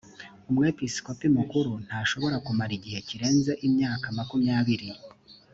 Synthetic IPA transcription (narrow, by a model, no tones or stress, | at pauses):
umŋepiskopimukuɾun̥haːʃo̞βoɾakumaɾiɟihe̞ciɾe̞ːnze̞ʔimɲaːkamakumɲaːβiɾi